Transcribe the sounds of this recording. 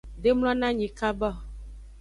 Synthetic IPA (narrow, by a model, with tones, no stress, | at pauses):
ɖe˦ml̃ɔ̃˦nã˦ɲĩ˨ka˦bɔ˦˨